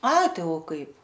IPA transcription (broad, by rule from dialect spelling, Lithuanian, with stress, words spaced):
ˈɐɪ ˈtɐɪ oː ˈkɐɪp